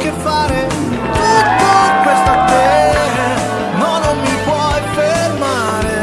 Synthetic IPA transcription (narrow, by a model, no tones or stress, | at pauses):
k̟efːaːɾe | t̪ut̪ːokwest̪apot̪eɾa | nɔnomːipwɔjferma | ɾe